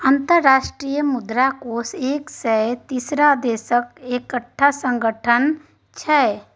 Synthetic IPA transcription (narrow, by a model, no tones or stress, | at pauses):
ə̃nt̪əɾːaːʃʈɾijəmʊd̪ɾakoːseːksɛt̪isɾad̪eːsəkekəʈʰːasə̃ŋɡəʈʰən | t͡ʃʰɛː